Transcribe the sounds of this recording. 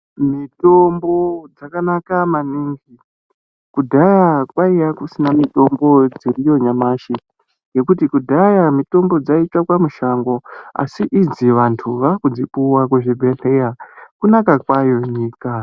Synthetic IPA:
mito̞mbo̞d͡zakanakamaniŋɡi | kudʱajakwaijakusinamito̞mbo̞d͡zirijo̞ɲamaʃi | je̞kutikudʱajamito̞mbo̞d͡zait͡ʃakwamuʃaŋɡo̞a̰siʔid͡ziʋantʰuʋakud͡zipuwakwuʐibʱeɬejakunakakwajo̞ɲiːka

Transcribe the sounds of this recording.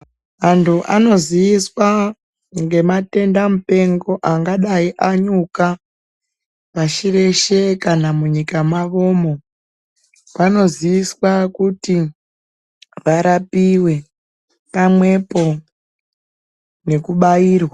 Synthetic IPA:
mantʰuʔano̞zijiswa | ŋɡe̞mate̞ndamupe̞ŋɡo̞ʔaŋɡaɗaiʔaɲuka | paʃire̞ʃe̞kanamuɲikamaʋo̞mo̞ | ʋano̞zijiswakuti | ʋaɾapiwe̞ | pamwe̞po̞ | ne̞kuɓajiːrwa

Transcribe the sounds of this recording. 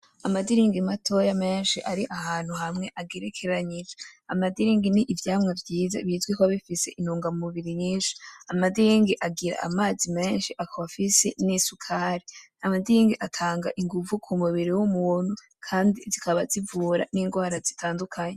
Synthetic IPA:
amadiɾiːŋɡimatʰo̞jame̞ːnʃiʔaɾiʔahaːn̥huhamŋe̞ʔaɡeɾekʰe̞ɾaɲid͡ʒaamadiɾiːŋɡiniʔːvjaːmŋavjiːza̰βiːzɡwikoaβifise̞̰ʔinuːŋɡamumuβiɾiɲiːnʃi̥amadiɾiŋɡiʔaɡiɾa̰a̰maːzime̞ːnʃiʔakʰaβafise̞nisukʰaɾi | amadiiŋɡiʔatʰaːŋɡa̰ʔiŋɡuvukʰumuβiɾiwumun̥hu | kʰaːndizikʰaβazivuːɾa̰niːŋɡwaːɾazitʰaːndukʰaɲe

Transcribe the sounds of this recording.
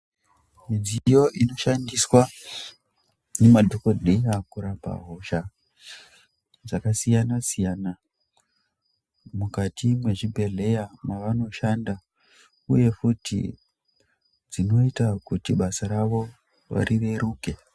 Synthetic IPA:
mid͡zijo̞ʔino̞ʃandiswa | nemadʱoko̞dʱejakuɾapa̰ɦoʃa | d͡zakasijanasijana | mukatʰimwe̞ʐibʱe̞ɮe̞jamaʋano̞ʃanda | ṵje̞futḭ | d͡zino̞itakutiɓasaɾaʋo̞ | ʋa̰ɾiʋe̞ɾuːke̞

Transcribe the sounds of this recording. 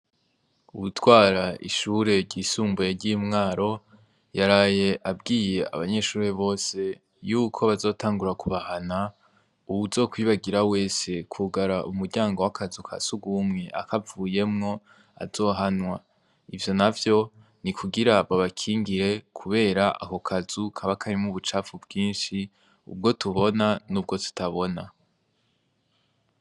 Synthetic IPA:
uβutʰwaːɾaʔḭʃuːɾe̞ɾɟisuːmbueɾɟimŋaːɾo̞ | jaɾaːje̞ʔabɡiːje̞a̰βaɲe̞ʃuːɾeβo̞ːse̞ | juːkʰo̞βazo̞ːtʰaːŋɡuɾakʰuβahana | uβuzo̞ːkwiːβaɡiɾawe̞ːse̞kʰuɡaɾaʔumuɾɟaːŋɡo̞wakʰazukʰa̰suɡumŋe̞ʔa̰kavuːje̞mŋo̞ | a̰zo̞ːɦanwa | ivjo̞navjo̞ | nikʰuɡiɾaβaβakʰiːŋɡiɾe̞kʰuβe̞ːɾaʔa̰ko̞kʰazukʰaβakʰaɾimŋuβut͡ʃafubɡiːnʃi | ṵb̚ɡo̞tʰuβo̞nanuːb̚ɡo̞tʰu̥tʰaβo̞na

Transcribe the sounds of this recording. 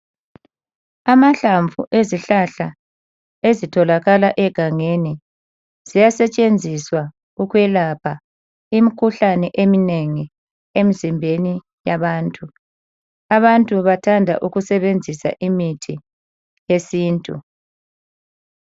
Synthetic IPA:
amaɬaɱvṵʔeziɬaɬa | ezitʰɔlaɣalaʔɛɡ̥ʱaŋeni | z̥ijasɛt͡ʃʼend͡zʱiswa | uɣwɛlapʰa | imikʰuɬanɛʔemineŋi | em̩zimbʱeni | jaβaːntʼu | aβantʼuβatʰandʱa̰ʔuɣusɛβend͡zʱisa̰ʔimitʰi | jesiːntʼṵ

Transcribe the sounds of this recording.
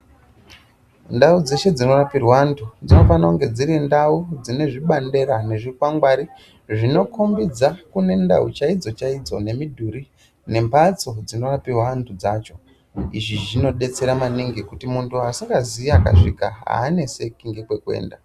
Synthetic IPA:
ndaud͡ze̞ʃe̞d͡zino̞rapirwantʰud͡zino̞fanauŋɡe̞d͡ziɾindaud͡zine̞ʐiɓande̞ɾane̞ʐikwaŋɡwaɾi | ʐino̞kʰombid͡zakune̞nda̰ut͡ʃaid͡zo̞t͡ʃaid͡zo̞̰ne̞midʱuɾi | ne̞mpat͡so̞d͡zino̞rapiwantʰud͡zaːt͡ʃo̞ | iʐiʐino̞ɗe̞t͡se̞ɾamaniŋɡikutimuntuasiŋɡaziiaka̰ʂikaɦa̰ːne̞se̞kiŋɡekwe̞kwe̞̰ːnda

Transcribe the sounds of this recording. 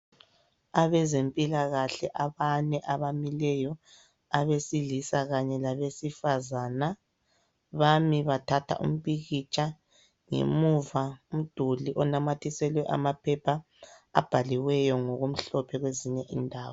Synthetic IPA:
aβɛzempʼilaɣaɬɛʔaβanɛʔaβamilɛjɔ | aβesilisaɣaɲɛlaβesifazaːna | βamiβatʰatʰa̰ʔṵm̩βiɣit͡ʃʼa | ŋḛmuvaum̩d̥ʱuliʔɔnamatʰisɛlwɛʔa̰mapʰɛpʰa | a̰b̥ʱaliwɛjɔŋoɣum̩ɬɔpʰɛɣweziɲɛʔindʱaːwɔ

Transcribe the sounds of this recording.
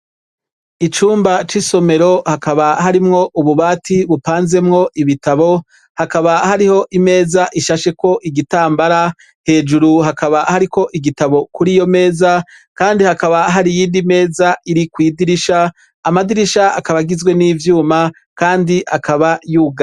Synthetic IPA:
it͡ʃuːmbat͡ʃiso̞me̞ɾo̞hakaβaɦaɾimŋo̞ʔuβuβaːtʰiβupaːnze̞mŋo̞ʔiβitaβo̞ | hakaβahaɾiho̞ʔime̞ːzaʔiʃaʃe̞ko̞ʔiɡitaːmbaɾa | he̞ːd͡ʒuɾuɦakaβahaɾiko̞ʔiɡitaβo̞kuɾijo̞me̞ːza | kaːndihakaβaɦaɾijiːndime̞ːzaiɾikwiːdiɾiʃaː | madiɾiʃaakaβaɡizɡwe̞niːvjuːma | kaːndiʔakaβajuːɡa

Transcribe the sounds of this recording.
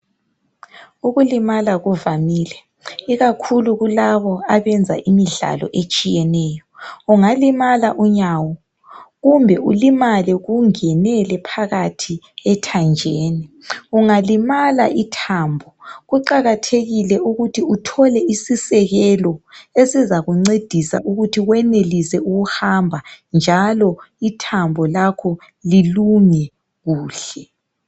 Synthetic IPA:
uɣulimalaɣuvamiːlɛ | iɣakʰuluɣulaβɔaβɛnd͡zʱa̰ʔimiɮa̰lɔ̰ʔet͡ʃʼijɛnɛːjɔuŋalimalaʔuɲawɔ | ɣumbʱɛulimalɛɣuŋɛnɛlɛpʰaɣatʰi | ɛtʰand͡ʒʱeːniuŋalimala̰ʔitʰaːmbʱɔɣuǃaɣatʰeɣilɛuɣutʰiutʰɔlɛisisɛɣɛlɔesizaɣuŋ͡ǀed̥ʱisa̰ʔuɣutʰiɣwɛnelisɛuɣuhambʱand͡ʒʱalɔitʰambʱɔlakʰɔ | liluŋɛ | ɣuːɬɛ

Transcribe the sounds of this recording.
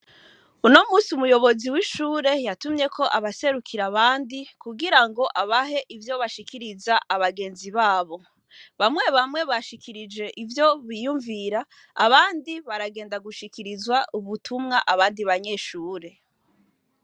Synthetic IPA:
uno̞muːsiumujo̞βo̞ziwiʃuːɾe̞jatumɲe̞kʰo̞ʔaβase̞ɾukʰiɾaβaːndikuɡiɾaŋɡo̞ʔaβaɦe̞ʔivjo̞βaʃikʰiɾizaʔaβaɡe̞ːnziβaːβo̞ | βamŋe̞βamŋe̞βaʃikʰiɾid͡ʒe̞ʔivjo̞βijuɱviɾaː | βaːndiβaɾaɡeːndaɡuʃikiɾizwaʔuβutʰumŋaʔaβaːndiβaɲe̞ːʃuːɾe̞

